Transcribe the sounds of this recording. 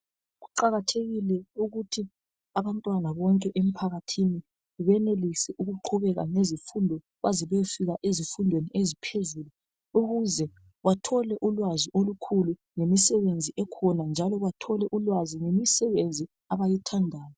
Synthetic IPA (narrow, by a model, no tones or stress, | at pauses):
ɣuǃaɣatʰeɣilɛuɣutʰi | aβantʼwanaβɔŋkʼɛʔem̩pʰaɣatʰini | βɛnelisɛʔuɣuǃʰuβɛɣa̰ŋezifundʱɔ | βaziβɛfiɣaʔezifundʱweniʔezipʰezulu | uɣuzɛ | watʰɔlɛʔulwaziʔolukʰulu | ŋemisɛβend͡zʱiʔɛkʰɔnand͡ʒʱalɔβatʰɔlɛʔulwaziŋemisɛβend͡zʱi | aβajitʰandʱaːjɔ